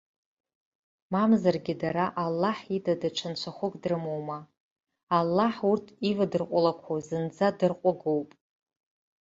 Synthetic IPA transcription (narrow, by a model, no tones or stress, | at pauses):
mamzarɡʲɪdaɾaʔalːaħidadaʈ͡ʂʷʰant͡ʃʷʰaχʷʊkʼdrɨmowma | alːaħurtʰivadɨrqʷʼalakʷʰozɨnd͡zadɨrqʷʼaɡowpʼ